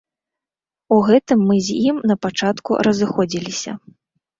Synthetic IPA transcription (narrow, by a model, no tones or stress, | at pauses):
uɣɛt̪ɨmːɨzʲjimnɐpat͡ʂat̪kṵɾɐzɨxɔd͡zʲilʲisʲɐ̰